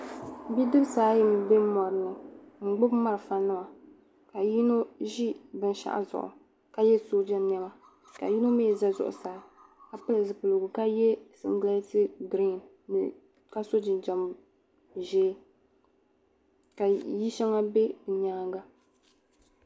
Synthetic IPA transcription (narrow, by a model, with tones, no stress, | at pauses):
bi˦dɨ˦bsaː˨˦jɪ˦m˨be˦mɔ˨ɾɨ˨nɨ˨ | ŋ͡m̩˨ɡ͡bʊ˦bma˦ɾɨ˨fa˦nːɨ˦ma˨ | ka˨ji˦no˦ʒi˦bɨ˦n˨ʃa̰˦ʔa̰˨zʊ̰˨ʔʊ̰˨ | ka˨jɛ˦soː˦d͡ʒɛ˦mɛ˦ma˦ | ka̰˨ji˦no˦me˦˨za˦zʊ̰˨ʔʊ̰˨saː˨ | ka˨pɨ˦lɨ˨zɨ˨pɨ˨lɨ˨ɡʊ˨ka˦jɛ˦sɨ̰˦ŋ˦ɡla˦tɨ˦ɡɾi˦˨n˨ | ka˦so˦d͡ʒɪ˨nd͡ʒa˨m | ʒɛː˦ | ka˨ji˦ʃɛ˦ŋa˦be˦ɨ˨ɲaː˦ŋɡa˦